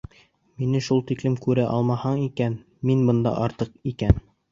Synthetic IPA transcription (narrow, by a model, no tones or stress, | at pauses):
minɘʃulˠt̪iklɘmkʉɾæʔɑlˠmɑhɑɴikæn | minbɤ̆nd̪ɑ̰ʔɑɾt̪ɤqikæn